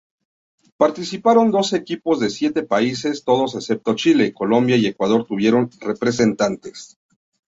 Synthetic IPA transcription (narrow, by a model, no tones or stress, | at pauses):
paɾt̪isipaɾo̞nd̪o̞se̞kipo̞zðe̞sje̞t̪e̞paise̞st̪o̞ð̞o̞se̞sep̚t̪o̞t͡ʃile̞ko̞lo̞mbjaie̞kwað̞o̞ɾt̪uβje̞ɾo̞nre̞pɾe̞s̬e̞nt̪ant̪e̞̥s